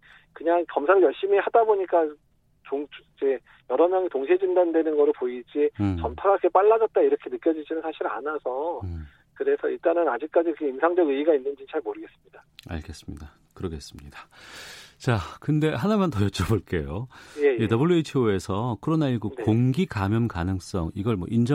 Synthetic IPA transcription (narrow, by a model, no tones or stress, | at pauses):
kɯɲaŋkʌmsʰaɾɯɭjʌɭɕ͈imihadaboɲik͈a | t͡ɕoŋid͡ʑe̞ | jʌɾʌmjʌŋitoŋɕʰed͡ʑindandwe̞nɯnɡʌɾoɭpoid͡ʑit͡ɕʌmtʰaɡakʰɯkep͈aɭːad͡ʑʌt̚t͈aiɾʌkʰe̞nɯk͈jʌd͡ʑid͡ʑinɯnsʰaɕʰiɾa̰nasʰʌ | kɯɾe̞sʰʌiɭt͈anɯnad͡ʑik̚k͈ad͡ʑiʌkʰeimsʰaŋd͡ʑʌɡɯiɡainːɯnd͡ʑit͡ɕʰaɭmoɾɯɡe̞s͈ɯ̥mɲidaa̰ɭɡe̞s͈ɯmɲḭda | kɯɾʌɡe̞s͈ɯmɲida | t͡ɕakɯnde̞ɦanamantʌjʌt͡ɕ͈ʌboɭk͈e̞̰jojejetʌbɯɭːjuit͡ɕʰioe̞sʰʌkʰoɾonaiɭɡukoŋɡikamjʌmkanɯŋs͈ʌ̰ŋiɡʌɭmwʌʔind͡ʑʌ